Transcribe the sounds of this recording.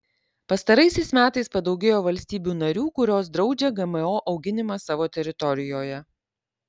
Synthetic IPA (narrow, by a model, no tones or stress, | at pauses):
pɐst̪ɐɾɐɪsʲɛɪsmʲæːt̪ɐɪspɐd̪ɒʊɡʲeːjoːʋɐlʲsʲt̪ʲiːbʲuːnɐɾʲuːkʊɾʲoːsd̪ɾɒʊd͡ʒʲɛɡɐmɛoːʔɒʊɡʲɪnʲɪmɐsɑːʋoːt̪ʲɛɾʲɪt̪ɔɾʲɪjoːjɛ